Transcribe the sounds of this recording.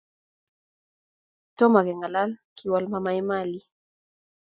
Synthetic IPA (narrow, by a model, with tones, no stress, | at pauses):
tɔ˦ma˨ɣɛ˨ŋɡa˨la˦lki˨wɔ˦lma˦ma˦i˦ma˦li˨